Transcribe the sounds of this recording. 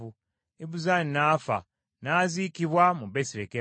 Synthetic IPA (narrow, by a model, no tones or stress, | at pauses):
u | eβuzaninaːfa̰ | naːziːkiβwamuβesiɾeke